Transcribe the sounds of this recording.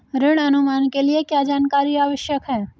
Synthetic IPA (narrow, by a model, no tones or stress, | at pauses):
ɾɪɽ̃ɐnʊmaːnkeliekjaːd͡ʒaːnkaːɾiaːʋəʃjəkɦɛː